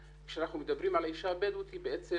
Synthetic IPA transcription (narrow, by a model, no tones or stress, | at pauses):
kʃeanaχnumed̪abʁimalaiʃaabed̪ut̪hibeʔet͡se